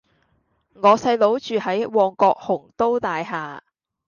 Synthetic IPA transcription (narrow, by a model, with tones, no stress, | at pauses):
ŋɔː˨˧sɐ˧jlo˨˥wt͡ʃyː˨˧hɐ˨˥jwɔː˧ŋkɔː˧k̚hʊ˨˩ŋt̪o˥wt̪aː˨jɦaː˨˧